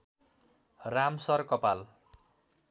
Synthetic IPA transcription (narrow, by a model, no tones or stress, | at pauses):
ramsʌrkʌpal